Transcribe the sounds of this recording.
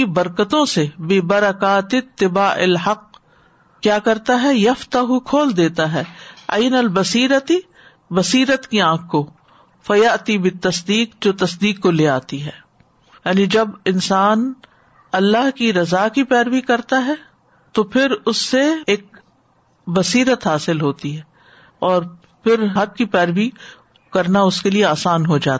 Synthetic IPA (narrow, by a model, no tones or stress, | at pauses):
ibɐɾkət̪õsebɪbɐɾɐkaːt̪ɪt̪ːɪbaːʔɪ̰lɦɐq | kjaːkɐɾt̪aɦɛjɐft̪ɐɦukʰoːld̪eːt̪aɦɛːɐɪnɐlbɐsiːɾət̪i | bɐsiːɾət̪kiãːkːo | fɐjɐʔt̪ibɪt̪ːɐsd̪iːqd͡ʒoːt̪ɐsd̪iːkːoleːa̰ːt̪iɦɛː | jaːnid͡ʒɐbɪnsaːn | ɐlːaɦkiɾɐzakipɛːɾbikɐɾt̪aɦɛ | t̪opʰɪɾʊsːeeːk̚ | bɐsiːɾət̪ɦaːsɪlɦoːt̪iɦɛː | ɔːɾ | pʰɪɾɦɐd̚kipɛːɾʋi | kɐɾnaʊskelieaːsaːnɦod͡ʒa̰ː